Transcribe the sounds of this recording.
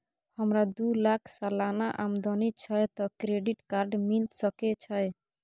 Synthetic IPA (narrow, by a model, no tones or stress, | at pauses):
hɔmɾad̪ulakʰsalanaʔamd̪ɔnit͡ʃʰɔjt̪ɔkɾeɖiʈkaɾɖmilt̪sɔkɛt͡ʃʰɔj